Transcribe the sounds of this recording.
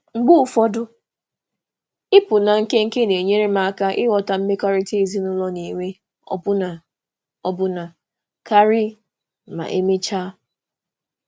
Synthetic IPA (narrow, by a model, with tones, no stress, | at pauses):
ŋ͡m̩˨ɡ͡bʊ˦˨fɔ˦dʊ˦ | ɪ˦pʊ˨na˨ŋ̩˦ke˦ŋ̩˦ke˦ne˨ɲe˦ɾe˦ma˨a˨ka˦ʔɪ˦wɔ˨ta˨m̩˦me˦ka˦ɾi˦ti˦i˦zi˦nʊ˦lɔ˦ni˨ŋʷe˦ | ɔ̰˦pʊ˦na˨ | ɔ˦bʊ˦na˨ | ka˦ɾi˦˨ | ma̰˨ʔe˦me˦t͡ʃa˦